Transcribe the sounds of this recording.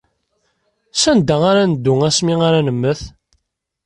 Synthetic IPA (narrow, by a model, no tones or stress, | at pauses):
sænd̪æʁaɾænəd̪ːʊŋæsmiaɾænəmːəθ